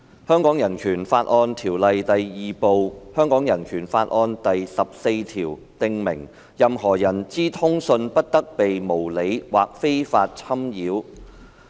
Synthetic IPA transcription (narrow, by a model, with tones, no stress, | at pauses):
hœː˥ŋkɔː˨˥ŋjɐ˨˩nkʰyː˨˩nfaː˧t̚ʔɔː˧nt̪ʰiː˨˩wlɐ˨jt̪ɐ˨jjiː˨po˧whœː˥ŋkɔː˨˥ŋjɐ˨˩nkʰyː˨˩nfaː˧t̚ʔɔː˧nt̪ɐ˨jsɐ˨p̚se˧jt̪ʰiː˨˩w | t̪ɪ˧ŋmɪ̰˨˩ŋ | jɐ˨mɦɔː˨˩jɐ˨˩nt͡siː˥t̪ʰʊ˥ŋsɵ˧npɐ˥t̚t̪ɐ˥k̚pe˨jmo˨˩wle˨˧jwaː˨k̚fe˥jfaː˧t̚t͡sʰɐ˥mjiː˨˧w